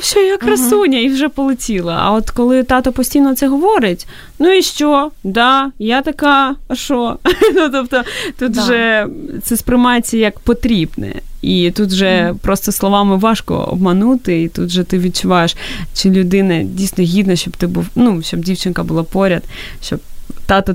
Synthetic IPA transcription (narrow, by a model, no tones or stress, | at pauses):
sʲɔjɐkrɐsunʲɐiwʒɛpɔlˠɪtʲilˠɐ̰ɐ̰ɔt̪kɔlˠɪt̪ɑt̪ɔpɔsʲtʲijnɔt̪sɛɦɔʋɔɾɪtʲ | nuiʃt͡ʃɔd̪ɑjat̪ɐkɑɐʃɔnut̪ɔpt̪ɔt̪ut̪ʒɛt̪sɛspɾɪmɑjet͡sʲːɐjɐkpɔt̪ɾʲibnɛ̰it̪ut̪ʒɛpɾɔst̪ɔslˠɔʋɑmɪʋɑʃkɔ̰ɔ̰b̚mɐnut̪ɪit̪ṵt̪ʒɛt̪ɪʋʲid̪̚t͡ʃʊʋɑjeʃt͡ʃɪlʲʊd̪ɪnɐdʲijsʲnɔɦʲid̪nɐʃt͡ʃɔbt̪ɪbuwnuʃt͡ʃɔb̚dʲiwt͡ʃɪnkɐbʊlˠapɔɾʲɐd̪ | ʃt͡ʃɔb̚t̪ɑt̪ɔ